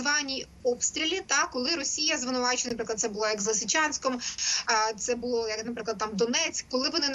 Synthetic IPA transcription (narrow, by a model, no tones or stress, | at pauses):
ʋɑnʲi | ɔpst̪ɾʲilʲit̪ɑkːɔlˠɪɾɔsʲijɐzʋɪnʊʋɑt͡ʃɪɐnɐpɾɪklˠd̪sɛbʊlˠɔjɐɡzlˠɐsɪt͡ʃɑnʲsʲkɔm | t̪sɛbʊlˠɔjɐknɐp̬ɾɪklˠɐd̪̚t̪ɑmd̪ɔnɛt͡sʲkkɔlˠɪʋɔnɪn